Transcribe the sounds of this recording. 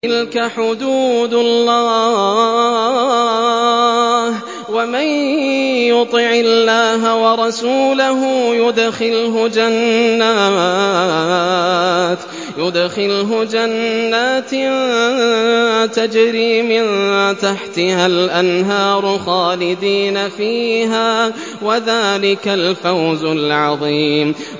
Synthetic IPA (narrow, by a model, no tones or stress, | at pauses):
t̪ɪlkaħʊd̪uːd̪lːɑː | h | wamɪj | jʊt̪ˤɪʕɪlːaːɦawɑɾˤɑsuːlaɦʊjʊd̪xɪlɦʊd͡ʒanːa | t̪ | jʊd̪xɪlɦʊd͡ʒanːaːt̪ | t̪ad͡ʒɾiːmɪnt̪aħt̪ɪhalʔanɦɑːɾˤʊxɑːlɪd̪iːnafiːɦaː | waðaːlɪkalfawzʊlʕɑðˤiːm